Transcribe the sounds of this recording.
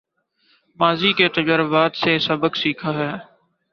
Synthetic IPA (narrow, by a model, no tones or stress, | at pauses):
maːziːkeːt̪əd͡ʒəɾəbaːt̪seːsəbəksiːkʰaːɦɛː